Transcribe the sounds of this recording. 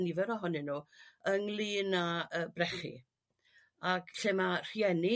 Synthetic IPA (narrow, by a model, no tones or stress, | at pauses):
nivɛɾɔɦɔnɪnuːəŋlˠiːnaəːbrɛχḭ | aɡɬemar̥jɛnɪ